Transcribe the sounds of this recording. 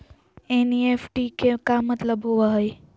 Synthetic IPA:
eniefʈikekamət̪ləbɦoʋaɦəj

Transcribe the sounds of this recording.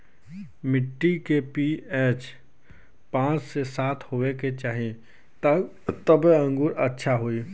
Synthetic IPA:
mɪʈːikepiɛːt͡ʃ | pãːt͡ʃsesaːt̪ʰhoːʋeket͡ʃaːɦe | t̪əbə̃ŋɡʊɾətːʃʰaɦoːiː

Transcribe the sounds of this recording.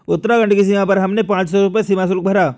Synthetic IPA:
ʊt̪ɾaɡɐ̃ɳʈkis̬iːmapɐɾɦɐmnepãːt͡ʃsɔɾʊpɛsiːmas̬ʊlk̚bʱɐɾaː

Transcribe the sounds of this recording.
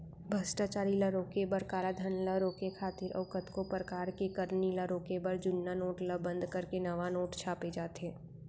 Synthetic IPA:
bʱɐsʈaːt͡ʃaːɾiləɾoːkebɐɾkaːlad̪ʱənləɾoːkekʰaːt̪ɪɾʔɐ̰ʋkət̪kopɾəkaːɾkekəɾniləɾoːkebəɾd͡ʒʊnːanoːʈləbə̃nd̪kɐɾkenɐʋanoːʈt͡ʃʰaːped͡ʒaːt̪eː

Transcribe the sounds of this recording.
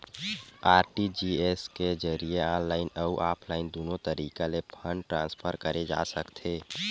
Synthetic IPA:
aːɾʈid͡ʒieskezəɾieaːnlaːɪnəuʔaːpʰlaːɪnd̪oːnõt̪əɾiːkalepʰə̃ɳɖʈɾãːnspʰəɾkəɾed͡ʒa̰ːsəkt̪ʰeː

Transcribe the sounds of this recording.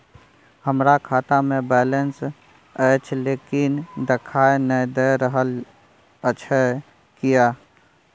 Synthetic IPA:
həmɾakʰaːt̪amẽbɛːlens | ɛːt͡ʃʰlekɪnd̪ɪkʰaːenəjd̪ɛjɾəɦəl | ət͡ʃʰə | kija

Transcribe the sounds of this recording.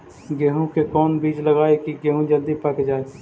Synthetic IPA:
ɡeːɦũkekɔːnbiːd͡ʒləɡaːekiɡeːɦũd͡ʒəld̪ipəkd͡ʒaːe

